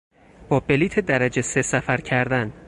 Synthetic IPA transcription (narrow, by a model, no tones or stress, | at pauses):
b̥ɒːbe̞liːt̪ʰed̪æɾæd͡ʒesesæfæɾcʰæɾd̪æn